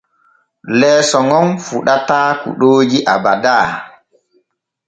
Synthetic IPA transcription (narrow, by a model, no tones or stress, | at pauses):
lɛːsɔŋɔnfuɗataːkṵɗoːd͡ʒiʔabadaː